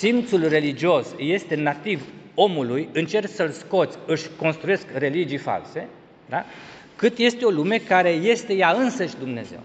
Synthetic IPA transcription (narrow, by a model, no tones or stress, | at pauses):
sint̪sulre̞lid͡ʒio̞sje̞st̪e̞nat̪ivo̞mulujɨnt͡ʃe̞rksəlsko̞t̪sʲɨʃʲko̞nst̪ɾuje̞skre̞lid͡ʒijfa̰lse̞ | d̪a | kɨt̪je̞st̪e̞o̞lume̞kaɾe̞je̞st̪e̞jaɨnsəʃʲd̪umne̞ze̞̰w